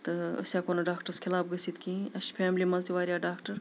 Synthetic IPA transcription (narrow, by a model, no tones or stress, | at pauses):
t̪ɨɐ̰saːkoːnɐɖaːkʈəɾskʰilaːbɡɐsit̪kĩɐʃfʰeːmlimãnsiʋaːɾjaːɖaːkʈɐɾ